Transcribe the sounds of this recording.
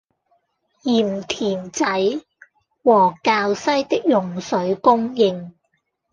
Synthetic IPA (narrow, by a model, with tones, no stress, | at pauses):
jiː˨˩mt̪ʰiː˨˩nt͡sɐ˨˥j | wɔː˨˩kaː˧wsɐ˥jt̪ɪ˥k̚jʊ˨ŋsɵ˨˥ɥkʊ˥ŋjɪ˧ŋ